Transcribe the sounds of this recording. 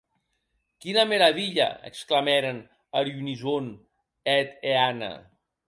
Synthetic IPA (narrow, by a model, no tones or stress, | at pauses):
kinəmeɾəβiʎə̰ə̰kskləmɛɾən | əɾjunizon | ɛt̪eanə̰